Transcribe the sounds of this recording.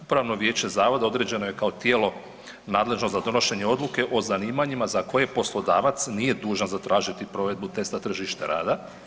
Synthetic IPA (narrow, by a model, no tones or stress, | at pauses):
upɾaʋno̞ʋje̞ːt͡ɕe̞zaːʋo̞d̪ao̞d̪ɾe̞d͡ʑe̞no̞je̞kao̞t̪jeːlo̞ | naːd̪le̞ʒnozad̪o̞no̞ʃe̞ɲe̞o̞d̪luke̞ʔo̞zaniːmaɲimazako̞je̞po̞slˠo̞d̪aːʋat̪snije̞d̪uːʒanzat̪ɾaːʒit̪ipɾo̞ːʋe̞d̪̚but̪e̞st̪at̪r̩ʒiʃt̪eɾa̰ːd̪a